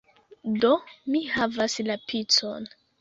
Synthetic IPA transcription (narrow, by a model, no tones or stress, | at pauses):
domihavaslapʰit͡so̰n